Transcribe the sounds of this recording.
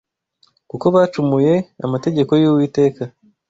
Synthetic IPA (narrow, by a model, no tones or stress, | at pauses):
kuko̞βaːt͡ʃumuje̞a̰mate̞ɟe̞ko̞juːwiːte̞ːka